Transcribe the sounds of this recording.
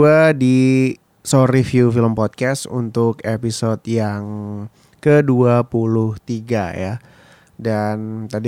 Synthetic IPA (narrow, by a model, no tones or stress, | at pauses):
adi | soɾifjufiləmpɔt̪̚kɛsṵnt̪ʊkepisot̪jaŋ | kəduapulʊht̪iɡaja̰ | dant̪adi